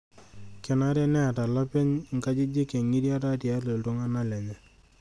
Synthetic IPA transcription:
kɛ˨na˦ɾɛ˦nɛ˦a˨ta˨lɔ˦pɛ˦ɲ˨ŋ̩˨ka˦d͡ʒɪ˦d͡ʒɪ˦ke˨ŋi˦ɾja˦ta˦ti˨a˨˦lo˨ltʊ˦ŋa˦na˦lɛ˨ɲɛ˨

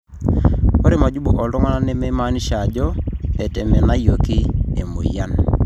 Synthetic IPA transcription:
o˦ɾɪ˦ma˨d͡ʒu˦bo˨ʔɔ˨lɔ˦ŋa˦na˦ne˦me˦ma˦ni˦ʃa˨d͡ʒɔ˦e˨tɛ˨mɛ˨na˦jo˨ki˦e˨mo̰˨ja˦n

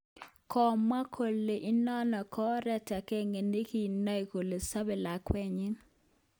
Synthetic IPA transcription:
kɔ˨ma˦kʰo˨le˨ʔi˦nɔ˦nɔ˨kɔ˦ɾɛ˦ta˨kɛ˦ŋe˨ne˦ki˦˨na˦i˨ko˨le˨sa˦bɛ˨la˨kwɛ˦ɲɪ˦n

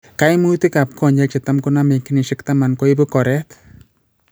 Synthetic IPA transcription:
ka˦jmu˦ti˦ka˨p̚kɔɲd͡ʒɛt͡ʃɪ˨ta˦mkʊname˨ki˦nɪ˨ʃɪ˦ktama˨nko˦ibu˦kɔ˨ɾɛt

